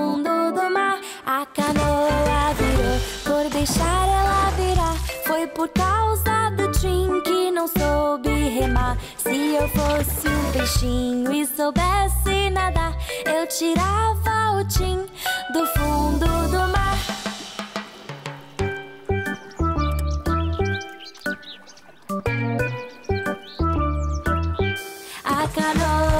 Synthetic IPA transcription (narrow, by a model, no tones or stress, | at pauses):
d̪ʊd̪ʊmaɾ | ɐkɐnoɐviɾopoɾd̪ejʃaɾɛlɐviɾaɾfojpoɾkawzɐd̪ʊt͡ʃĩkɪnɐ̃w̃sobɪɦemaɾ | sɪewfosɪũbejʃĩɲʊɪsowbɛsɪnad̪ɐewt͡ʃiɾavɐʊt͡ʃĩd̪ʊfũd̪ʊd̪ʊmaɾ | akano